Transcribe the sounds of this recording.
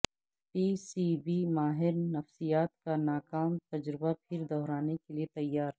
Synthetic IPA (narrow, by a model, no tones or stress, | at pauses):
piːsibimaːɦɪɾnɐfsijaːt̪kanaːkaːmt̪ɐd͡ʒɾɪbapʰɪɾd̪ɔːɾaːnekeliet̪ɐjːaːɾ